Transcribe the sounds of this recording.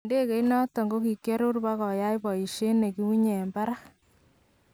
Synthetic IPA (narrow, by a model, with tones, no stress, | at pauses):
nde˦ke˦jnɔ˦tɔ˨ŋɡo˦ki˨ke˦ɾu˦rba˦kɔ˨ja˦jbɔ˨i˨ʃe˦ne˨ki˦wu˦ɲe˨mba˦ɾa˦